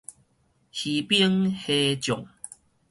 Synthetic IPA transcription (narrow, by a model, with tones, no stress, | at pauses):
hi˨pi˦əŋhe˧t͡ɕjɔ˨˩ŋ